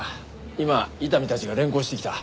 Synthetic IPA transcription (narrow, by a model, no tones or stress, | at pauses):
imait̪amʲit̪at͡ɕiɡaɾẽ̞ŋko̞ːɕi̥t̪e̞kʲi̥t̪a